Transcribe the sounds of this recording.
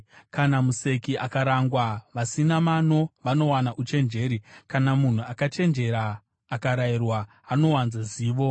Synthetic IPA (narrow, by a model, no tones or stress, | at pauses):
kanamuse̞kiʔakaɾaŋɡwaʋasinamano̞ʋano̞wanaʔut͡ʃe̞nd͡ʒe̞ɾikanamun̤uakat͡ʃe̞nd͡ʒe̞ɾaː | kaɾairwaː | no̞wanzaziːʋo̞